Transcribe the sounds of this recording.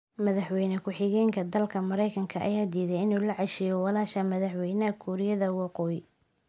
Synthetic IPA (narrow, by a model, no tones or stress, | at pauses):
mɐðɐħwɛjnɐkʰʊħɪɣɛːŋkʰɐd̪ɐlkʰɐmɐɾɛjkʰɐŋkʰɐʔɐ̰jaːd̪iːðɛjɪnuːlɐʕɑʃɪjɔwɑlaːʃɐmɐðɐħwɛjnɐkʰuɾɪjɐðɐwɑqɔːjɪ